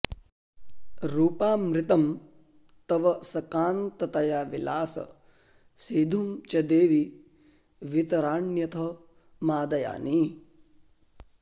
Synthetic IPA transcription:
ɾuːpaːmɾɪt̪ɐm | t̪ɐʋɐsɐkaːnt̪ɐt̪ɐjaːʋilaːsɐ̰ | sid̪ʱumt͡ʃɐd̪eːʋi | ʋit̪ɐɾaːɳjɐt̪ʰɐ | maːd̪ɐja̰ːni

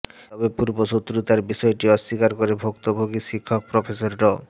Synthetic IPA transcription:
t̪ɔbepuɾboʃot̪ːɾut̪aɾbiʃɔeʈiɔʃːikaɾkoɾebʱokt̪obʱoɡiʃikʰːok̚pɾofʰesoɾɖɔ

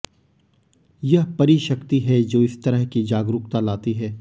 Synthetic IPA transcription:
jɐɦpɐɾiʃɐkt̪iɦɛd͡ʒoːɪst̪ɐɾəɦkid͡ʒaːɡɾʊk̚t̪alaːt̪iɦɛː

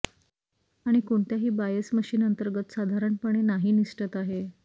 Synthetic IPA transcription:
aɽ̃ikoɳt̪jaɦiːbajəsməɕiːnənt̪əɾɡət̪sad̪ʱaɾəɳpəɳ̃enaɦiːniʂʈət̪aɦe

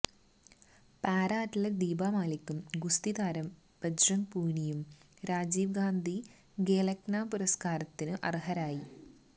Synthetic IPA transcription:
paːɾaːtɐlɐd̪iːbaːmaːlikʲːumɡust̪id̪aːɾɐm | pɐd͡ʑrɐŋpuːɳijum | ɾaːd͡ʑiːʋɡaːnd̪ʱi | ɡeːlɐknaːpuɾɐskaːɾɐt̪ːinɨʔɐ̰riɦɐɾaːji

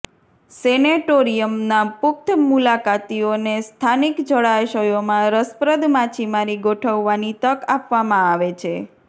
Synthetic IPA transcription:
sɛneʈoɾijəmnapʊk̚t̪ʰmulakat̪ionest̪ʰanikd͡ʒəɭajʃəjomãɾəspɾəd̪mat͡ʃʰimaɾiɡoʈʰəʋːanit̪əkapʋamãaʋet͡ʃʰe

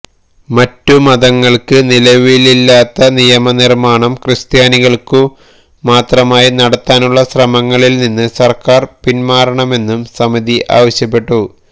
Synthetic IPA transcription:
mɐtːumɐðɐŋːɐɭkɨnilɐʋililːaːt̪ːɐnijɐmɐnirmaːɳɐmkrɨst̪jaːniɣɐɭku | maːt̪rɐmaːjinɐɽɐt̪ːaːnuɭːɐsrɐmɐŋːɐɭilninːɨsɐrkaːrpinmaːɾɐɳɐme̞nːumsɐmiðiʔa̰ːʋɐɕjɐp̬ːe̞ʈːu

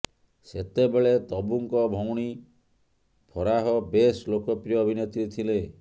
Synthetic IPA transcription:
set̪ebeɭet̪ɔbuŋkɔbʱɔŋɽ̃i | pʰɔɾaɦɔbeslokɔpɾijɔːbʱinet̪ɾit̪ʰile

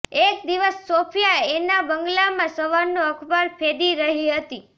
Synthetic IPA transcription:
ekd̪iʋəsːopʰjaenabəŋɡlamãsəʋaɾnoəkʰbaɾpʰed̪iɾəɦiɦət̪i

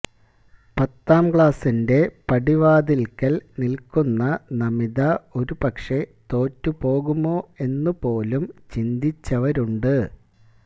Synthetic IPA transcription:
pɐt̪ːaːmkɭaːsinde̞pɐɽiʋaːd̪ilkɐlnilkunːɐnɐmiðɐo̞ɾupɐkʂe̞t̪o̞ːtːupo̞ːɣumo̞ːe̞nːupo̞ːlumt͡ɕind̪it͡ɕːɐʋɐɾuɳɖɨ

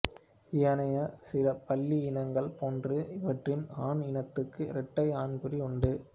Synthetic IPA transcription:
ɪjɐnɐjɐsɪlɐpɐlːiɪnɐŋɡɐɭpoːndrɯɪʋɐʈrɪnaːnɪnɐt̪ːɯkːɯɪɾɛʈːɐɪaːnɡɯɾiʊɳɖɯ

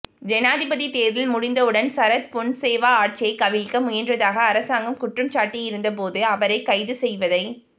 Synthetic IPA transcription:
d͡ʒɛnaːðɪbɐðit̪eːɾðɪlmʊɽɪnd̪ɐɯɽɐnsɐɾɐt̪̚pɔɳseːʋaːaːʈ̚t͡ʃɪjɐɪkɐʋɪlkɐmʊjɐndrɐðaːɣɐːɾɐsaːŋɡɐmkʊʈrɐmt͡ʃaːʈːijɪɾɯnd̪ɐp̬oːðɯɐʋɐɾɐɪkɐɪðɯsɛjʋɐðɐɪ

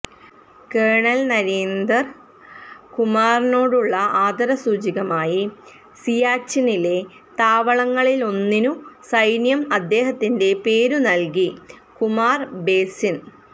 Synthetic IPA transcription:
keːɳɐlnɐɾeːnd̪ɐr | kumaːrno̞ːɽuɭːɐʔaːd̪ɐɾɐsuːd͡ʑiɣɐmaːji | sijaːt͡ɕːinile̞ | t̪aːʋɐɭɐŋːɐɭilo̞nːinusɐjnjɐmɐd̪ːe̞ːɦɐt̪ːinde̞pe̞ːɾunɐlkikumaːrbe̞ːsin

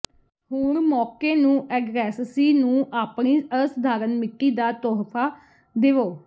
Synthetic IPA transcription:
ɦoːɳmɔːkeːnũːʔɛːɡɾɛːssiːnũːʔaːpɳiːəsəd̪aːɾənmɪʈːiːd̪aːt̪ɔːɦpʰaː | d̪eːʋoː

